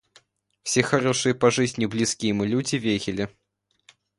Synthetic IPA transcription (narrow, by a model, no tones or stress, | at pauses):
fsʲexɐɾoʂɨjəpɐʐɨzʲnʲɪblʲiskʲijəmɨlʲudʲɪvʲeɣʲɪlʲɪ